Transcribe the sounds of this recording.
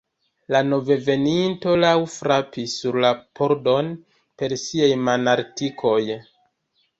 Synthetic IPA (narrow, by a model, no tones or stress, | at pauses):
lano̞ve̞ve̞ninto̞lawfɾapisːuɾlapʰoɾdo̞n | pe̞ɾsiajmanaɾtikʰo̞j